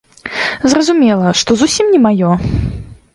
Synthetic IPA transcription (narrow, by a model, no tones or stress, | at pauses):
zrɐzumʲɛlˠɐʂt̪ɔzusʲimnʲɛmajɔ